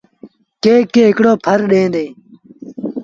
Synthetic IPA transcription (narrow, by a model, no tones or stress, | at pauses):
keːkeːɦɪkɽoːpʰəɾɗẽːd̪eː